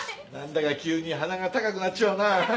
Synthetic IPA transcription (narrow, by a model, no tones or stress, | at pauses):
nãnd̪akakʲɨːɲ̟iɦanaɡat̪akakɯ̟nat͡ɕaːnaː